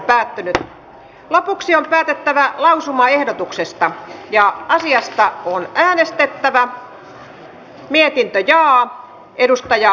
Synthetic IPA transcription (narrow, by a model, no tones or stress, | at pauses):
pæːt̪ːynyt | lopuksiompæːt̪et̪ːæʋælɑusumɑehdot̪uksest̪ɑjɑɑsiɑst̪ɑonæːnest̪et̪ːæʋæ | miet̪int̪øjɑː | edust̪ɑjɑ